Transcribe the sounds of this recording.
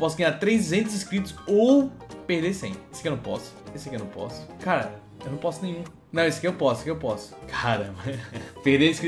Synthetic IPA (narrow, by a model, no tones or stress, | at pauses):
pɔsʊɡɐ̃ɲaɾt̪ɾezẽnt̪ʊziʃkɾit̪ʊ̥sopehd̪eɾsḛ̃j̃eskɪewnɐ̃pɔ̰sʊ̥eskewnɐ̃pɔ̰sʊ̥kaɾɐ̰ | ewnɐ̃w̃pɔsʊnẽɲ̃ũ | nɐ̃w̃esʊ̥kɪewpɔsʊ̥kɪewpɔsʊ̥kʰaɾɐmɐpehd̪eiʃki